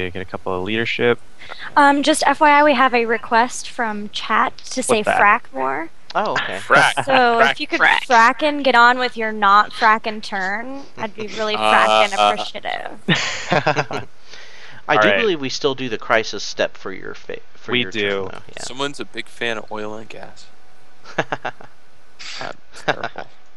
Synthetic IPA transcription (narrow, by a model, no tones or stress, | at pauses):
ɨɡɛɾɨkʰʌpl̩ˠəliɾə˞ʃɪp̚ | ʌ̃md͡ʒʌstɛfaɪaɪwiəvɨɹɨkʰw̥ɛstfɹʌ̃mt͡ʃʰætʰɨseɪfɹækmɔɹ | oʊoʊkʰeɪɹæsoʊɪfjɨkɨdɹ̥æ̰fɹækɨ̃nɡɛɾn̩wɪðjə˞nɑtfɹækɨ̃ntʰɜ̃˞n | aɪd̚biɹɪlˠifɹækɨ̃nɨpɹ̥iʃiɾɪ̰v̥ | ʔaɪdɨbɨlivwistɪlˠdɨðɨkʰɹ̥aɪsɨstɛpfə̰˞jə̰˞fḛɪ | fə˞iəʉa̰ʊjæ̰sʌ̃mwʌ̃nzɨbɪɡ̥fæ̃ñ̰ɔɪlˠə̰̃nɡæ̰s